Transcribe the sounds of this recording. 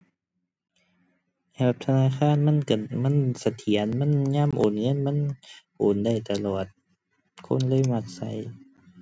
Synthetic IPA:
hɛ˧˨ba˧p̚t̪ʰa˧naː˧˥˨xʰaː˧˥˨nma˧˥˨nka˧˩ma˧˥˨nsa˧t̪ʰi˨˦ənma˧˥˨nɲaː˧˥˨mʔoː˨˩nŋɤ˧˥˨nma˧˥˨nʔoː˨˩nda˧˩˨jt̪a˧lɔː˨˩t̪̚ | kʰo̰˧˥˨nlɤː˧˥˨jma˧˩t̪̚sa̰˧˦j

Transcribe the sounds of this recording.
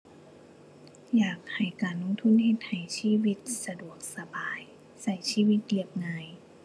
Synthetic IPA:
jaː˨˩k̚ha˨˩jkaː˨˩nlo˧˥ŋt̪ʰu˧˥˨nhe˧t̪̚ha˨˩jsiː˧˥˨wi˧˥t̪̚sa˧du˨˩ək̚sa˧baː˨˩j | sa˧˩jsiː˧˥˨wi˧t̪̚di˧˩əp̚ŋaː˧j

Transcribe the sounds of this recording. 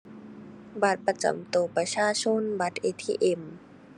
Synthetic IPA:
ba˧˩t̪̚pa˧t͡ɕa̰˨˩mt̪oː˨˩pɾa˧t͡ɕʰaː˧˥˨t͡ɕʰo˧˥˨nba˧˦t̪̚ʔeː˧˩t̪ʰiː˧ʔe˧˩m

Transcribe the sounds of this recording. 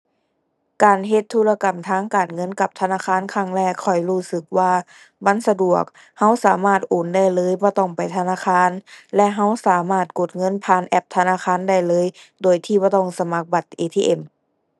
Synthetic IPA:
kaː˨˩nɦe˧t̪ʰːuː˧˨la˧ka˨˩mt̪ʰaː˧˥˨ŋkaː˨˩nŋɤ˧˥˨nka˧˦p̚t̪ʰa˧naː˧˥˨kxʰaː˧˥˨nkʰa˧˩˨ŋlɛː˧˩kʰɔ˧˩jhuː˧˩sɯ˧˦k̚waː˧ | ba˧˥˨nsa˧du˨˩ək̚ | ha˧˥˨wsaː˨˦maː˧˩t̪̚ʔoː˨˩nda˧˥˩jlɤː˧˥˨jbɔː˧˦t̪ɔ˧˩ŋpa˨˩jt̪ʰa˧naː˧˥˨kʰaː˧˥˨nlɛ˧˥ʔɦa˧˥˩wsaː˨˦maː˧˩t̪̚ko˨˩t̪̚ŋɤ˧˥˨npʰaː˨˩nʔɛ˧˩p̚t̪ʰa˧naː˧˥˨xʰaː˧˥˨nda˧˩jlɤː˧˥˨j | doː˨˩jt̪ʰiː˧˩bɔː˧˦t̪ɔ˧˩ŋsa˧ma˧˦k̚ba˨˩t̪̚ʔeː˨˧t̪ʰiː˧ʔe˨˩m

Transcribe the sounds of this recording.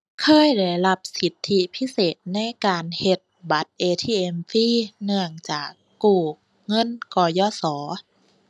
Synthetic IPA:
kʰɤː˧˥˨jda˧˩jla˧˥p̚si˨˦t̪ʰːi˧pʰi˧˥˨seː˨˩t̪̚na˧˥˨jkaː˧nhe˧˦t̪̚ba˨˦t̪̚ʔeː˧t̪ʰiː˧˩ʔe˧mfiː˧˥˨nɯ˧˩əŋt͡ɕaː˨˩kːuː˧˨˩ | ŋɤ˧˥˨nkɔː˧˩jɔː˧˥˨sɔː˩˦

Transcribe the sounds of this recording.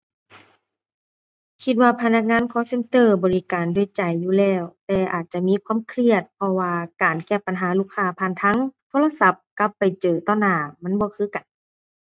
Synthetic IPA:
kʰi˧t̪̚waː˧pʰa˧na˧˥k̚ŋaː˧˥˨nkʰɔː˧˥se˧˥nt̪ɤː˧˩bɔː˨li˦˧kaː˨˩ndu˧˩ə˨jt͡ɕa˨˩jːuː˧˩lɛː˧˩wt̪ɛː˧˩ʔaː˨˩t̪̚t͡ɕa˧˨miː˧˥˨kʰwa˧˥˨mkʰɾi˧˩ət̪̚pʰɔ˧waː˧kaː˨˩nkɛː˧˩pa˨˩nɦaː˨˦luː˧˥˩kʰːaː˧˩pʰaː˧˨nt̪ʰa˧˥˨ŋt̪ʰoː˧˥la˧sa˧˥p̚ka˧pːa˨jt͡ɕɤː˨˩t̪ɔː˧˩naː˧˩ma˧˥˨nbɔː˧˦kʰɯː˧˥˨ka˨˩n

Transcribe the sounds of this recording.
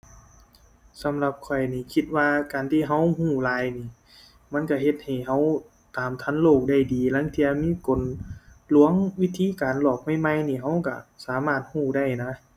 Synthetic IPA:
sa˨˦mla˧p̚kʰɔ˨˩jniː˧˩kʰi˧t̪̚waː˧kaː˨nt̪ʰiː˧˨ɦa˧˥˨whuː˧˩laː˧jniː˧˩ | ma˧˥˨nka˧˩he˧t̪̚ha˨˩jɦa˧˥˩w | t̪aː˨mt̪ʰa˧˥˨nloː˧˩k̚da˧˩jdiː˨la˧˥˨ŋt̪ʰi˧ɐ˧miː˧˥˨ko˨nlu˧˥əŋwi˦˥t̪ʰiː˧˥˨kaː˨nlɔː˧˩k̚ma˧˥˩jma˧˩jniː˧˩ɦa˧˥˩wka˧˩saː˨˦maː˧˩t̪̚huː˧˩da˧˩jna˧˥˨

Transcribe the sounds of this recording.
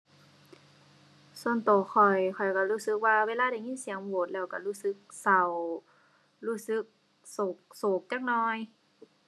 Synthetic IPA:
su˧ə˨nt̪oː˨˩xʰɔ˨˩jxʰɔ˨˩jka˧˩ɾuː˧˥˨sɯ˧˦k̚waː˧weː˧˥˨laː˧˥˨da˧˩jŋi˧˥˨nsi˨˦ə˦ŋboː˨˦t̪̚lɛː˧˩wka˧˩luː˧˥sɯ˧˦k̚sa˨˩w | luː˧˥˩sɯ˧˦k̚ | so˨˩k̚soː˨˩k̚t͡ɕa˧˥k̚nɔː˧j

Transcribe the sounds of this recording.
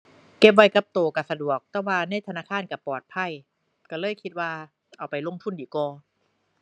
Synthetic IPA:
ke˦˧˥p̚wa˧˥jka˧˩p̚t̪oː˨˩ka˧˩sa˧du˨˩ək̚t̪ɛː˧˥˩waː˧na˧˥˨jt̪ʰa˧naː˧˥˨kʰaː˧˥˨nka˧˩pːɔː˨˩t̪̚pʰa˧˩j | ka˧˩lɤː˥˨jkʰi˦˥t̪̚waː˧˩ | ʔa˧˩wpa˧˨jlo˧˥˨ŋt̪ʰu˧˥˨ndiː˨˩kɔː˧

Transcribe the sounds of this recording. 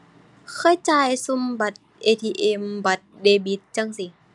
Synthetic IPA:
kʰɤː˧˥˨jt͡ɕaː˧˩jsu˧mba˧˩t̪̚ʔeː˧t̪ʰiː˧ʔe˧mba˧˩t̪̚deː˧bi˧˦t̪̚t͡ɕa˧˨ŋsi˧

